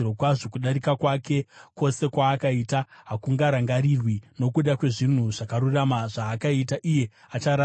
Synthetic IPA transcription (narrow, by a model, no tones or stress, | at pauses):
okwaʐo̞kuɗaɾikakwake̞ko̞se̞kwaːkaitaɦakuŋɡaɾaŋɡaɾirwino̞kuɗakwe̞ʐin̤uʐakaɾuramaʐaːkaitaʔije̞ | at͡ʃaɾa